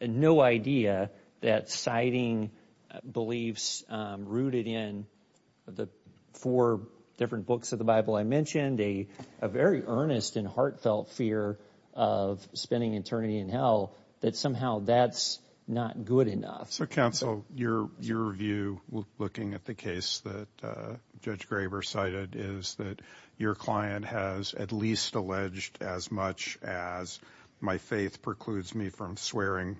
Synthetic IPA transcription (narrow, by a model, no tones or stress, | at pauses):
noʊaɪdiɨ | ðɨtsaɪɾɪ̃ŋ | bəlifsɹʉɾɨɾɪ̃n | ʌðɨ | fɔɹ | d̥ɪfɹɨ̃nb̥ʊksʌvðəbaɪbl̩ˠaɪmɛ̃nʃɨ̃ndɨʔəvɛɹiʔɜ̃˞nɨstɨ̃nhɑɹtfɛlˠtfɪɹ | ʔʌv̥spɛ̃ndɪ̃ŋɨtʰɜ̃˞nɨɾiɨ̃nɦɛlˠ | ðɨtsʌ̃mɦaʊðæts | nət̚ɡ̥ʊɾɨnʌ̰fsoʊkʰãʊ̃nsl̩ˠjə˞jə˞vjʉlʊkɪ̃ŋɨt̪̚ðɨkʰeɪsðɨt̚d̥ʒ̥ʌd͡ʒɡɹeɪbə˞saɪɾɪɾɪzðɨt͡ʃə˞kʰl̥aɪɨ̃nʔhɨzɨ̰tˡlistəlɛd͡ʒdɨzmʌt͡ʃɨz̥ | maɪfeɪθpʰɹ̥ɨkʰl̥ʉdzmifɹʌ̃mswɛɹɪ̃ŋ